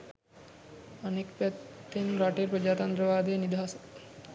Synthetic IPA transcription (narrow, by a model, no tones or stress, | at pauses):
anekpæt̪ːenɾaʈeɾpod͡ʒaːt̪and̪ɾəʋaːd̪ejnid̪ɦasə̥